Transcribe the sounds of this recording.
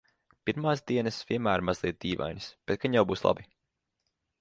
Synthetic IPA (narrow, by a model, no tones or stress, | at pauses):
piɾmaːsd̪iɛnɐsviɛmæːɾmazlˠiɛt̪̚d̪iːva̰jnʲisb̥et̪̚kaɲjawbuːslˠa̰bi